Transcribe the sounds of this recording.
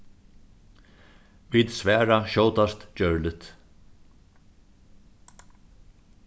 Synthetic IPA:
viːd̪sʋɛːɾaʃɔwt̪ast̪d͡ʒœɹlɪt̪

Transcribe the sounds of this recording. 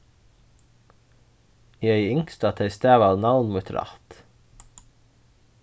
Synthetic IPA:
iːœʏʏŋkst̪ɑt̪ʰɛɪst̪æːʋɑːʋnɑʋnmuːt̪ʰɾɑ̰ːt̪

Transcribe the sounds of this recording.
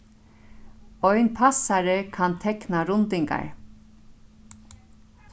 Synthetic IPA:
ɔjnpʰasaɾɪkʰant̪ʰɛknaɾʊnt̪ɪŋka̰ɹ

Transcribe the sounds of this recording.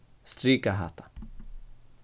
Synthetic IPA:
st̪ɾiːkaɦa̰ːt̪ʰḁ

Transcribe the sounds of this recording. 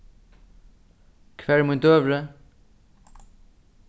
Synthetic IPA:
kɨ̥fɛɾmũj̃t̪oβɾɐ

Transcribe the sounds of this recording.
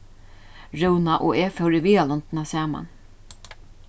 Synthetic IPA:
ɹʉwnaʔɔeːfɛwɾɪviːalɔnt̪nasaːma̰n

